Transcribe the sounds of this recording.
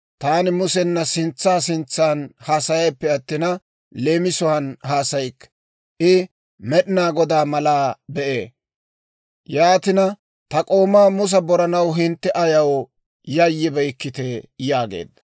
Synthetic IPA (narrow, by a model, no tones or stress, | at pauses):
t̪aːnɪmʊsɛnːɐsɪnt͡sːaːsɪnt͡sːaːnhaːsɐjɐjpːɛɐt̪ːɪnɐ | le̞ːmɪsɔwɐnɦaːsɐjkː | ʔɪ | mɛɗɪnaːɡɔd̪aːmɐlaːbɛʔeː | jaːt̪ɪnɐ | t̪ɐkʼo̞ːmaːmʊs̬ɐbɔɾɐnɐwɦɪnt̪ːɛʔɐjɐw | jɐjːɪbɐjkːɪt̪ɛjaːɡḛːd̪ːɐ